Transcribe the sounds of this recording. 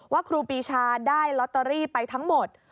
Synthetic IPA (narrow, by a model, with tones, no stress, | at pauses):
waː˥˩kʰɾuː˧piː˧t͡ɕʰaː˧daː˥˩jlɔ˦˥t̪ːa˧ɾiː˥˩pa˧jt̪ʰa˦˥ŋmo˨˩t̪̚